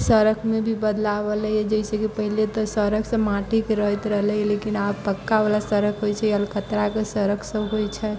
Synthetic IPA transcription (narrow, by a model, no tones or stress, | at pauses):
səɾəkʰmẽbʱibəd̪laʋəlɛɛd͡ʒəɪsekipəɦilet̪ɔsəɾəkʰsə̃maʈikeɾəɦit̪ɾəɦlɛlekinabpəkːaʋəlasəɾəkʰɦojt͡ʃʰɛəlkət̪ɾakesəɾəkʰsə̃ɦojt͡ʃʰɛ